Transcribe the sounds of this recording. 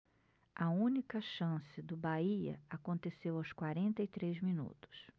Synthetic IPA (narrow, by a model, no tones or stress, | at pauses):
ʔɐũnikɐʃɐ̃sɪd̪ʊbaiɐ̰akõnt̪esewawskwaɾẽnt̪ɐit̪ɾezminṵt̪ʊ̥s